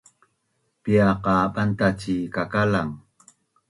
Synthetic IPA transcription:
piaqɑːɓant̪at͡ʃikakalaŋ

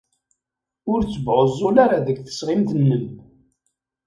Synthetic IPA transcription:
ʊɾt͡sːəbʁəzˤːʊlaɾaðəɡθə̥sʁɪmθnːən

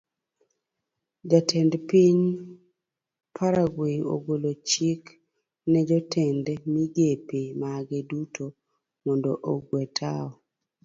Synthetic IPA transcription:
d͡ʒatʰɛndpiɲ | pʰaɾaɡweo̰ɡolot͡ʃik | nɛd͡ʒɔtʰɛndmiɡepemaɡedutʰo | mɔndoʔoɡwɛtʰa̰ɔ

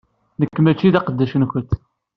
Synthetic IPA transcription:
nəkːmæt͡ʃːiðɑqəd̪ːæʃənçənt̪ː

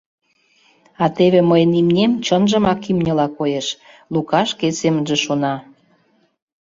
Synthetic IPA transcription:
ɑt̪eβeməjənimnʲemt͡ɕənʒə̆mɑkimnʲəlɑkojeʃ | lukɑʃkesemənʒĕʃonɑ

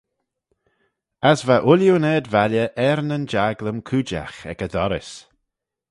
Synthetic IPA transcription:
asvaʔʊljunɛːd̪valjəʔɛɾnənd͡ʒaɡləmkʰuːd͡ʒa̰xɛ̰kəd̪ɔɾɪ̰s

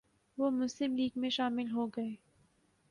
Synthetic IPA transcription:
ʋoːmʊslɪmliːɡmẽʃaːmɪlɦoɡɐeː

